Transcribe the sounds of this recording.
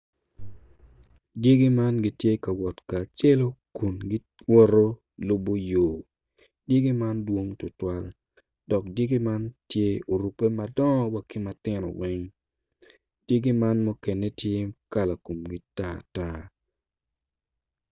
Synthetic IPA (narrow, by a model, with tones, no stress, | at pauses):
dje˦ɡi˦ma˦nɡi˦tje˦ka˨wɔ˨tkaː˨t͡ʃɛ˦lo˦ku˨nɡi˦ | wɔ˦ɾo˦ | lʊ˦bo˦joː˨ | dje˦ɡi˦ma˦ndwo˦ŋtʊ˨twa˦l | dɔ˨k̚dje˦ɡi˦ma˦ntje˦o˨ɾu˨pe˦ma˨dɔ˦ŋ˦wa˨kɪ˦ma˨tɪ˦nɔ̰˨wɛ˦ŋ | d̥je˦ɡi˦ma˦nmɔ˦ke˨ne˦tje˦ka˦la˨ko˨mɡi˦ta˦ta˦